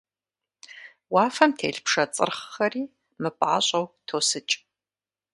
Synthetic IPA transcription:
waːfɐmtʰeːɮpʰʂɐt͡sʼɨ̰rχːɐriː | mɨpʼa̰ːɕʼɐwtʰoːsɨt͡ʃʼ

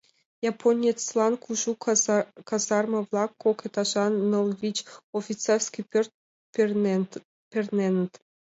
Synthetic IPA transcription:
jɑpʰonʲet͡slˠɑnkʰuʒukɑzɑrmɤ̆vlˠɑkːoket̪ɑʒɑnːolˠvʲit͡ɕofʲit͡serskipʲørt̪̚ | pʲernʲenə̆t̪

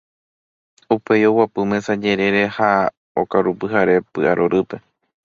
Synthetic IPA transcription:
upe̞jo̞wapɨmẽ̞sad͡ʒe̞ɾe̞ɾe̞ha | o̰kaɾupɨɦaɾe̞pɨʔaɾoɾʔɨpe̞

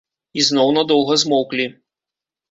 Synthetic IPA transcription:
iznɔwnɐd̪ɔw̪ˠɣɐzmɔwklʲi

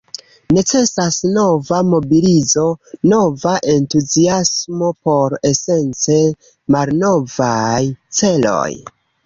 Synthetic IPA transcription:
ne̞t͡se̞sasno̞vamo̞bilizo̞no̞vaʔe̞ntuziasmo̞po̞ɾe̞se̞nt͡se̞ | malno̞vajt͡se̞lo̞̰j

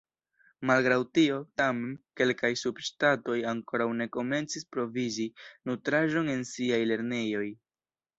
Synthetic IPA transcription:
malɡɾawtio̞tame̞nke̞lkajsubʃtato̞jaŋko̞ɾawne̞ko̞me̞nt͡sispɾo̞vizinutɾaʒo̞ne̞nsiajle̞ɾne̞jo̞j

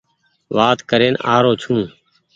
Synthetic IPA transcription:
ʋaːt̪kəɾeːnaːɾoːt͡ʃʰũː

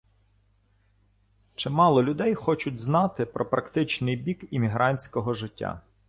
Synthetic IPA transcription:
t͡ʃɪmɑlˠɔlʲʊd̪ɛjxɔt͡ʃʊtʲznɑt̪ɪpɾʔɔpɾɐkt̪ɪt͡ʃnɪjbʲikimʲiɦɾɑnʲsʲkɔɦɔʒɪtʲːa̰

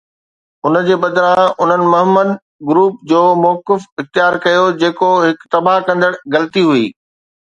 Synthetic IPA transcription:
ʊnə̆d͡ʑeːbɐd̪ɾãʊn̤ənɪ̆mʊɦəməd̪ | ɡɾuːp̚d͡ʑoːmɔːkɪfɪxt̪ɪjaːɾkɐjod͡ʑeːkoɦɪkt̪ɐbaɦkɐ̃nd̪əɽɡɐlt̪iɦuiː

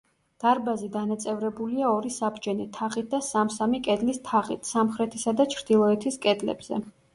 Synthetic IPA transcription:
d̪̥aɾbazid̪anat̪sʼɛvɾɛbuliaɔɾisabd͡ʒɛnit̪ʰaʁʼit̪̚d̪asamsamikʼɛd̪list̪ʰaχʼit̪ʰsamχɾɛt̪ʰisad̪at͡ʃʰɾd̪̥ilˠɔɛt̪ʰiskʼɛd̪lɛ̰bz̥ɛ̰

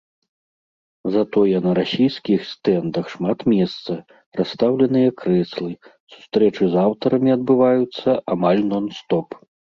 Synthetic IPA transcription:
zat̪ɔjɐnɐɾasʲijskʲixst̪ɛnd̪ɐxʂmat̪mʲɛst̪sɐ | ɾast̪awlʲɐn̪ɨjɐkɾɛslˠɨ | su̥st̪ɾɛt͡ʂɨzawt̪ɐɾɐmʲiɐd̪̚bɨvajut̪sːɐʔamalʲnɔnst̪ɔp

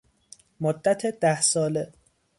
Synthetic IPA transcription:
mod̪ːæt̪ʰed̪̥æhsɒːle

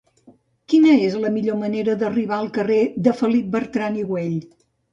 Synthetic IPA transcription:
kinəezləmiʎoməneɾəðəriβ̞aəlˠkəreðəfəlip̚bərt̪ɾaniɣweʎ

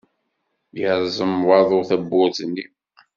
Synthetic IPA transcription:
jəɾˤzˤəmwɑðˤoθæbːʊɾðnːi

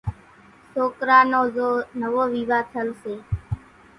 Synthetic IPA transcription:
soːkɾaːnoːzoːnəʋoːʋiːʋaːt̪ʰəlseː

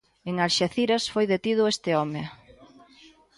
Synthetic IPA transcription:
eŋaɾʃeθiɾasfojðet̪ið̞ʊest̪ɪɔme

